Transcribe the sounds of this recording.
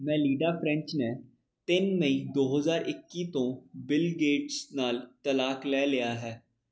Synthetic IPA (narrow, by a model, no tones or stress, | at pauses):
mɛ̃ːliːɖaːpʰɾɛ̃ɲt͡ʃneː | t̪ɪnməĩːd̪oːɦəzaːɾʔɪkːiːt̪õːbɪlɡeːʈsnaːlt̪əlaːklɛːlɪjaːɦɛː